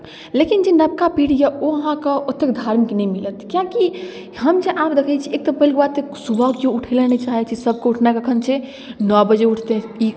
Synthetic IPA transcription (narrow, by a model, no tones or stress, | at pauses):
lekind͡ʒenəb̚kapiɽjəoəɦãkeot̪ːekd̪ʱaɾmiknɛjmilət̪kjãki | ɦəmd͡ʒeʔabd̪ekʰət͡ʃʰiek̚t̪ɔpəɦilkbat̪eksubʱəkjouʈʰɛlɛnet͡ʃaɦɛt͡ʃʰisəb̚keuʈʰnakəkʰənt͡ʃʰe | nɔbəd͡ʒeuʈʰt̪ei